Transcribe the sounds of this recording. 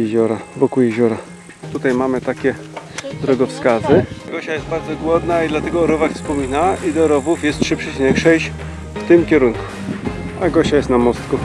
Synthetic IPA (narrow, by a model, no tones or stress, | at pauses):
jɛʑɔɾavɔkujɛʑɔɾa | t̪ut̪ajmamɘt̪akʲɛd̪ɾɔɡɔfskazɘɡɔɕajɛst̪̚baɾd̪zɔɡwɔd̪naid̪lat̪ɛɡɔːɾɔvakfspɔmʲinaid̪ɔɾɔvufjɛst̪ʂɘpʂɛt͡ɕinɛkʂɛjɕ | ft̪ɘmkʲɛɾuŋku̥ | aɡɔɕajɛst̪namɔst̪ku